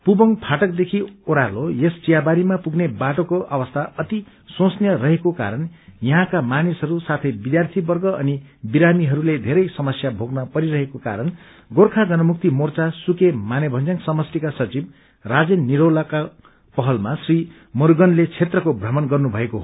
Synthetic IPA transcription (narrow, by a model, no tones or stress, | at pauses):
pubʌŋpʰaʈʌkd̪ekʰioɾalojest͡sijabaɾimapuɡnebaʈokoʔʌwʌst̪ʰaʔʌt̪i | sõsnjʌɾʌɦekoka̰ɾʌnjʌɦãkamanisɦʌɾusat̪ʰʌjbid̪jart̪ʰibʌrɡʌʌnibiɾamiɦʌɾuled̪ʱeɾʌjsʌmʌsjabʱoɡnʌpʌɾiɾʌɦekoka̰ɾʌn | ɡorkʰad͡zʌnʌmuk̚t̪imort͡sasukemanebʱʌnd͡zaŋsʌmʌsʈikasʌt͡sib̚ | rad͡zenniɾolaka | pʌɦʌlmasri | mʌɾɡʌnlet͡sʰet̪rʌkobʱrʌmʌnɡʌrnubʱʌekoɦ